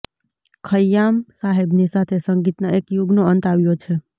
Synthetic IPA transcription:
kʰəjːamsaɦebnisat̪ʰesəŋɡit̪naekjuɡnoənt̪aʋjot͡ʃʰe

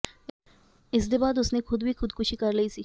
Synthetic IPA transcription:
ɪs̬d̪ebaːd̪ʊsnexʊd̪bʱixʊd̪kʊʃikɐɾləisiː

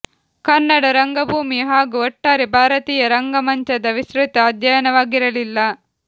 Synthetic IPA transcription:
kɐnːɐɽɐɾɐŋɡɐbʱuːmiɦaːɡuɔʈːaːɾibʱaːɾɐt̪iːjɐɾɐŋɡɐmɐɲt͡ʃɐd̪ɐʋisɾut̪ɐːd̪ʱjɐjɐnɐʋaːɡiɾɐlilːɐ

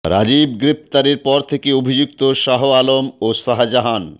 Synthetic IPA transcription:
ɾa̰d͡ʑibɡɾef̚t̪aɾeɾpɔɾt̪ʰekeobʱid͡ʑuk̚t̪oʃaɦoalomoʃaɦad͡ʑaɦan

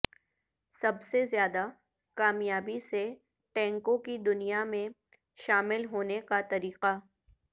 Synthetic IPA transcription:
sɐbsezjaːd̪a | kaːmjaːbise | ʈɛ̃ːŋkõkid̪ʊnijamẽ | ʃaːmɪlɦoːnekat̪ɐɾiːqa

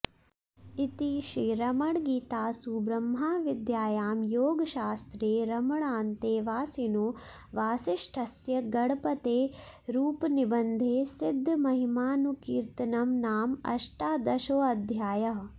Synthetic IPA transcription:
it̪iʃiːɾɐmɐɽɡiːt̪aːsubɾɐmɦaːʋid̪jaːjaːmjoːɡɐʃaːst̪ɾeːɾɐmɐɭaːnt̪eːʋaːsinuː | ʋaːsiʂʈʰɐsjɐɡɐɽpɐt̪eː | ɾuːpnibɐnd̪ʱeːsid̪ʱːmɐɦimaːnukiːɾt̪ɐnɐmnaːmɐ̰ʂʈaːd̪ɐʃoːɐd̪ʱjaːjɐɦ

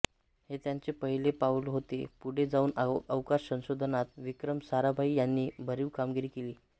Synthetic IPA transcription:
het̪jaɲt͡sepəɦilepaulɦot̪epuɽ̤ed͡zauːnəʋkaɾsə̃w̃sod̪ʱənat̪ʋikɾəmsaɾabʱaiːjanːiːbʱəɾiːʋkamɡiɾiːkeliː

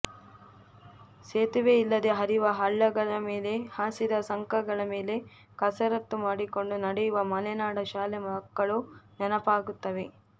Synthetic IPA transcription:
seːt̪uʋeilːɐd̪e̞ɦɐɾiʋɐɦɐɭːɐɡɐɭɐmeːle̞haːsid̪ɐsɐŋkɐɡɐɭɐme̞ːle̞ | kɐsɐɾɐt̪ːumaːɽiko̞ɳɖunɐɽɛjuʋɐmɐlɛnaːɽɐʃaːlɛmɐɦɐkːɐɭunɛnɐpaːɡut̪ːɐʋe̞

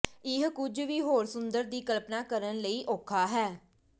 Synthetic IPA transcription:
ɪɦkʊd͡ʒʋiːɦoːɾsʊnd̪əɾd̪iːkəlpnaːkəɾənləiːʔoːkʰaːɦɛː

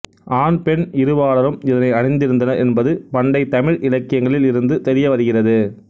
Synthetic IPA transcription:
ʔaːnpɛnɪɾɯʋaːɭɐɾɯmɪðɐnɐɪɐɽɪnd̪ɪɾɯnd̪ɐnɐɛnbɐðɯpɐɳɖɐɪt̪ɐmɪɻʔɪlɐkːɪjɐŋɡɐɭɪlɪɾɯnd̪ɯt̪ɛɾɪjɐʋɐɾɯɣɪrɐðɯ

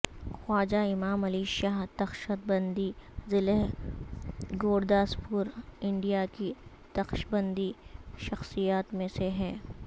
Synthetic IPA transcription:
xaːd͡ʒaɪmaːmɐliʃaːɦd̪ɐxʃət̪̚bɐ̃nd̪izɪleɦ | ɡoːɾd̪aːspuɾɪ̃ɳɖijaki | d̪ɐxʃbɐ̃nd̪iʃɐxsijaːt̪mẽseɦɛː

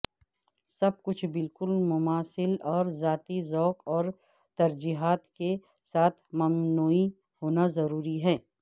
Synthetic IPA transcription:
sɐb̚kʊt͡ʃʰbɪlkʊlmʊmaːsɪlɔːɾzaːt̪izɔːkɔːɾ | t̪ɐɾd͡ʒiːɦaːt̪ke | saːt̪ʰmɐmnoːi | hoːnazɐɾuːɾiɦɛ̃ː

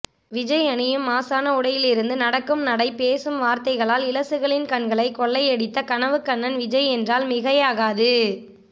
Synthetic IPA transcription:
ʋɪd͡ʒɐɪɐɳɪjɯmːaːsaːnɐʊɽɐjɪlɪɾɯnd̪ɯnɐɽɐkːɯmnɐɽɐɪpeːsɯmʋaːɾt̪ɐɪɣɐɭaːlɪlɐsɯɣɐɭɪnkɐɳɡɐɭɐɪkːɔɭːɐɪɛɽɪt̪ːɐkɐnɐʋɯkːɐɳːɐnʋɪd͡ʒɐɪɛndraːlmɪɣɐjaːɣaːðɯ

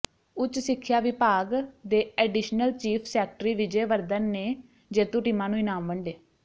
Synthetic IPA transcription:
ʊt͡ʃsɪkʰːjaːʋɪpaːɡd̪eːɛːɖiʃnəlt͡ʃiːpʰsɛːk̚ʈɾiːʋɪd͡ʒeːʋəɾd̪ənːeː | d͡ʒeːt̪ũːʈiːmãːnũːɪnaːmʋəɳɖeː

